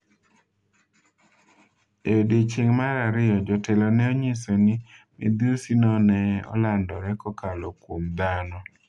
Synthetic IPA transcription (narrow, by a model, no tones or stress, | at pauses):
eodet͡ʃeŋmaɾaɾɪjɔd͡ʒɔtɛlɔnɛoɲesonɪmɪ̰d̪usinɔnɛɔ̰landɔɾɛkɔkalɔkwomd̪anɔ